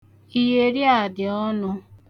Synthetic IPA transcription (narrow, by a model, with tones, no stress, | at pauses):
i˦je˦ɾi˦a˨dɪ˨ɔ˦nʊ˦